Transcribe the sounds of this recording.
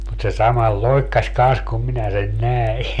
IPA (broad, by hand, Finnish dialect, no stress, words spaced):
mut se sɑmɑl loikːɑs kɑns kum minæ sen næi